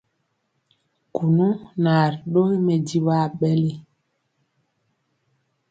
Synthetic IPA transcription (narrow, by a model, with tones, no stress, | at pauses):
ku˨nu˦na˨ɾɗo˦i˦mɛ˨di˦ɓa˦˨ɓɛ˦li˦